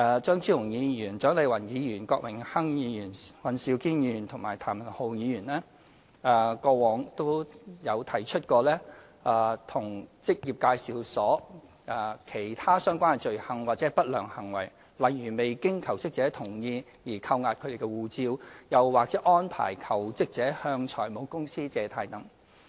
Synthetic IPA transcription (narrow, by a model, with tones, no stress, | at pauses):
ɛ˧t͡ʃœː˥ŋt͡sʰiː˥wʊ˨˩ŋjiː˨˧jyː˨˩nt͡ʃœː˨˥ŋle˨˧jwɐ˨˩njiː˨˧jyː˨˩nkɔː˧k̚mɪ˨˩ŋhɐ˥ŋjiː˨˧jyː˨˩nwɐ˨˩nsiː˨˧wkiː˥njiyː˧˨˩nt̪ʰʊ˨˩ŋmaː˨˩jt̪ʰaː˨˩mɐ˨˩nho˨wjiː˨˧jyː˨˩nlɛː˥˨˧ | kɔː˧wɔː˨˧ŋt̪o˥wjɐ˨˧wt̪ʰɐ˨˩jt͡ʃʰɵ˥t̚kɔː˧lɛː˥ | ʔɛː˧t̪ʰʊ˨˩ŋt͡sɪ˥k̚jiː˨p̚kaː˧jsiː˨wsɔː˨˥ | aː˨˧kʰe˨˩jt̪ʰaː˥sœː˥ŋkʷaː˥n˨˩t͡ʃɵ˨ɥhɐ˨˧ŋwaː˨t̚t͡sɛː˨˥pɐ˥t̚lœː˨˩ŋhɐ˨˩ŋwɐ˨˩j | lɐ˨jːyː˨˩me˨jkɪ˥ŋkʰɐ˨˩wt͡sɪ˥k̚t͡sɛː˨˥t̪ʰʊ˨˩ŋjiː˧ | jiː˨˩kʰɐ˧wŋaː˨˧t̚kʰɵ˨˧d̪e˨˩kɛ˧wuː˨˧t͡siː˧wjɐ˨wwaː˨k̚t͡sɛː˨˥ʔɔː˥npʰa̰ː˨˩jkʰɐ˨˩wt͡sɪ˥k̚t͡sɛː˨˥hœː˧ŋt͡ʃʰɔ̰ː˨˩jmo˨˧wkʊ˥ŋsiː˥t͡sɛː˨˧t̪ʰaː˨˧jt̪ɐ˨˥ŋ